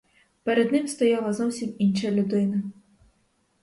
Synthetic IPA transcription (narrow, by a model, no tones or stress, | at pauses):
pɛɾɛd̪nɨmst̪ɔjalˠɐzɔwsʲiminʂɐjɐlʲud̪ɪnɐ